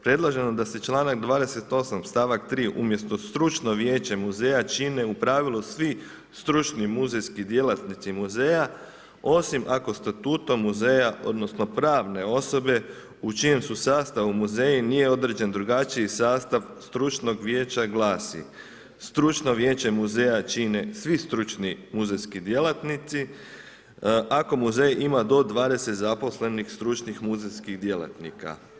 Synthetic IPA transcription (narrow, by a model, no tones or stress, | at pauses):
pɾe̞d̪lˠaʒe̞nod̪aset͡ʃlˠaːnaɡd̪ʋaːd̪e̞se̞t̪o̞samst̪aːʋakt̪ɾiːʔumje̞st̪o̞st̪ɾut͡ʃno̞ʋje̞ːt͡ɕemuze̞ːjat͡ʃine̞upɾaːʋilusʋi | st̪ɾut͡ʃnimuzejskid̪je̞lat̪nit̪simuze̞ːja | o̞simʔako̞st̪at̪uːt̪omːuzeːjaʔo̞̰d̪no̞sno̞pɾaːʋne̞o̞so̞be̞ | ut͡ʃije̞msusaːst̪aʋumuzeːjinije̞o̞d̪ɾed͡ʑe̞nd̪ɾuɡat͡ʃiisaːst̪aʋst̪ɾut͡ʃno̞ɡʋje̞ːt͡ʃaɡlˠaːsḭ | st̪ɾut͡ʃno̞ʋjeːt͡ɕe̞muzeːjat͡ʃinesʋist̪ɾut͡ʃnimuzejskid̪je̞lat̪nit̪si | ʔako̞muzejʔimad̪o̞d̪ʋaːd̪e̞set̪zapo̞sle̞nixst̪ɾut͡ʃnixmuzejskiɣd̪je̞la̰t̪nika̰